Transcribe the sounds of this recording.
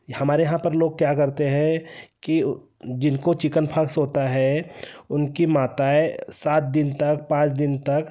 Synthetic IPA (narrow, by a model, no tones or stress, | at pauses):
jhɐmaːɾejɐɦãpɐɾloːɡ̚kjakɐɾt̪eɦɛ̃ki | d͡ʒɪnkot͡ʃɪkənpʰaksɦoːt̪aɦɛʊnkimaːt̪aːesaːt̪̚d̪ɪnt̪ɐkpãːt͡ʃd̪ɪnt̪ɐk